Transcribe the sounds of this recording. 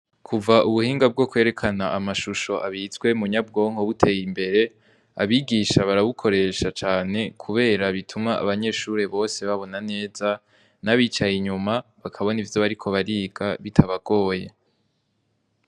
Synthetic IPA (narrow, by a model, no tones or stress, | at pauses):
kʰuvaʔuβuhiːŋɡab̚ɡo̞kwe̞ɾe̞kʰanaʔamaʃuʃo̞ʔaβizɡwe̞muɲab̚ɡo̞ːŋ̥ho̞βutʰe̞jimbe̞ɾe̞ | a̰βiɡiːʃaβaɾaβukʰo̞ɾe̞ʃat͡ʃaːne̞kʰuβe̞ːɾaβitʰumŋa̰ːβaɲe̞ːʃuɾe̞βo̞ːse̞βaβo̞nane̞ːza | naβiːt͡ʃajiɲumaβakʰaβo̞nivjo̞βaɾikʰo̞βaɾiːɡaβitʰaβaɡ̥o̞ːje